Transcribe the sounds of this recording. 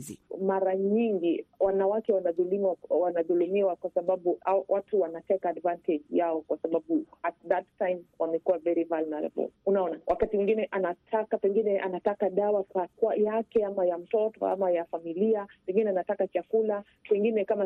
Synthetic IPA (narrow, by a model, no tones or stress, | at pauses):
maɾaɲiŋɡiwanawakɛwanaðulimawanaðulumiwakwasaɓaɓuʔawʔatuwanatɛkːdvantʰɛd͡ʒjaɔkwasaɓaɓuat̚ðattajmwamɛkuwavɛɾivalnaɾa̰bɔ̰lunaɔnawʔakatimuŋɡinɛʔanatʰakapɛŋɡinɛʔanatakaɗawakakuajakɛamajam̩tɔtɔ̰a̰majafamiliapɛŋɡinɛanatakat͡ʃakula | pɛŋɡinɛkama